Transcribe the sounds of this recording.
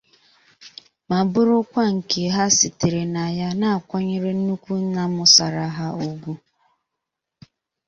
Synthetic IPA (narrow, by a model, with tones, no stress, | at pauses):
ma˨bʊ˦ɾʊ˦kʷa˦ŋ̩˨ke˨ɦa˦sɪ˨tɪ˨ɾe˨na˨ja˦na˦a˨kʷɔ˦ɲɪ˦ɾɪ˦n̩˦nu˦kʷu˦n̩˦na˦mʊ˦sa˨ɾa˨˦ɦa˦o˨ɡʷu˦